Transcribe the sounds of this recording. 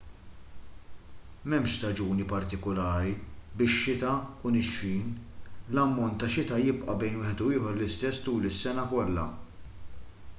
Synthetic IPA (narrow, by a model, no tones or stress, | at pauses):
mɛmʃt̪ɐd͡ʒuːnipɐɾt̪ɪkɔlɐːɾibɪʃːɪt̪ɐʊnɪʃfiːnlɐmːɔnt̪ːɐʃɪt̪ɐjɪpʔɐbɛjnwɪːħɛd̪uɪːħɔɾlɪst̪ɛsːt̪uːlɪsːɛnɐkɔlːɐ̰